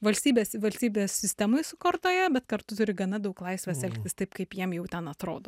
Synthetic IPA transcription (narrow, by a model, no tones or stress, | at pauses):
ʋɐlʲsʲt̪ʲiːbʲeːssʋɐlʲsʲt̪ʲiːbʲeːsːʲɪsʲt̪ʲæmʊjsʊkort̪oːjɛbʲɛt̪kɐɾt̪ʊt̪ʊɾʲɪɡɐnɐd̪ɐʊklˠɐɪsʲʋʲɛsɛlʲkt̪ʲɪst̪ɐɪpkɐɪpjiɛmjɛʊt̪ʲɛnɐt̪ɾoːd̪oː